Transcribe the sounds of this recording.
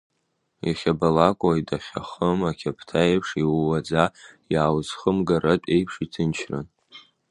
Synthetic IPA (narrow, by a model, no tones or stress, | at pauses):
aχʲabalakʷʼajdaχʲaχəmakʲʰapʰtʰaejpʰʂiwwad͡zajaːwzχəmɡaɾat͡pʷʼejpʰʂitʰɨnt͡ʃʰrɨ̰n